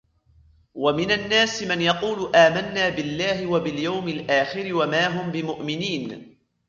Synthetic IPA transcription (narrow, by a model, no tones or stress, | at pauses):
wamɪnanːaːsmanjɑquːlʔaːmanːaːbɪlːaːɦɪwabɪljawmɪlʔaːxɪɾɪwamaːɦʊmbɪmʊʔmɪniːn